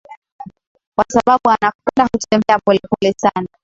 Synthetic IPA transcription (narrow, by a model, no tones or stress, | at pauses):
kwasaɓaɓuanakɛndahutɛmbɛapɔlɛpɔlɛsana